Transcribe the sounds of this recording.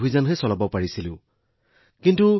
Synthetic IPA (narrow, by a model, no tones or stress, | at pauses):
bizanɦɛsɔlabɔpaɹisilʊ̃ | kintu